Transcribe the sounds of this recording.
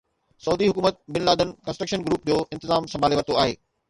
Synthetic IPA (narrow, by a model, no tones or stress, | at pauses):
sɐuːd̪iɦʊkuːmət̪̚bɪnlaːd̪ənɪkɐ̃nsʈɾəkʃənɡɾuːp̚d͡ʑoːʔɪ̃nt̪ɪzaːmsɐmbaːleʋɐɾt̪oaːɦḛː